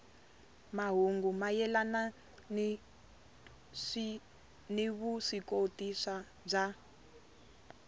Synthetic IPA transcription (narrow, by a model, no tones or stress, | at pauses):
maɦuŋɡumajɛlana | niβuʂikotisa | b͡ʐa